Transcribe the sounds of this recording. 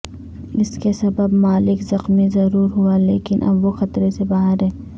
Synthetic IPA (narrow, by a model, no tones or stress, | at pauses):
ɪskesɐbəbmaːlɪkzɐxmizɐɾuːɾɦualeːkɪnʔɐ̰bʋoxɐt̪ɾesebaːɦəɾɦɛ̃ː